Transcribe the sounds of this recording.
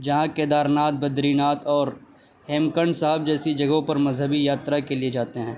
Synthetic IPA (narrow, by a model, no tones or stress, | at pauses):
d͡ʒɐɦãked̪aːɾnaːt̪̚bɐd̪ɾiːnaːt̪ɔːɾ | hɛːmkəɳɖsaɦəb̚d͡ʒɛːsid͡ʒɐɡɦõpɐɾmɐzɦəbijaːt̪ɾakelied͡ʒaːt̪eɦɛ̃ː